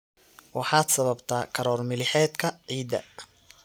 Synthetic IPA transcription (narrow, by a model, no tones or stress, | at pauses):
wɑħɑːd̪sɐβɐbt̪ʰaːkʰɐɾɔːrmɪlɪħɛːd̪kʰɐʕiːd̪ɐ̰